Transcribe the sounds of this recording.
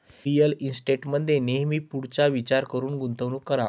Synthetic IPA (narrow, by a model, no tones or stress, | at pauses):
ɾijəlinsʈeʈməd̪ʱːjeneɦmiːpuɽt͡ɕaʋit͡ɕaɾkəɾuːnɡunt̪əʋnuːkəɾa